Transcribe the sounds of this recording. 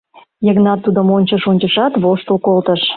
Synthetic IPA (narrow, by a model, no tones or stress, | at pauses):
jəɣnɑt̪ːud̪əmonʲt͡ɕəʃonʲt͡ɕəʃɑt̪βoʃt̪əlkolt̪əʃ